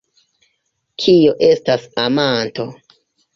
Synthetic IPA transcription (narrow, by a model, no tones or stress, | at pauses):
kʰio̞ʔe̞stasamanto̞